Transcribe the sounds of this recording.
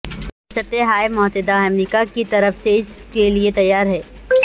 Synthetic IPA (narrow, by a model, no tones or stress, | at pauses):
ɪsət̪eɦaːemʊɦt̪ɪd̪aɐmɾiːkakit̪ɐɾəfseɪskeliet̪ɐjːaːɾɦɛː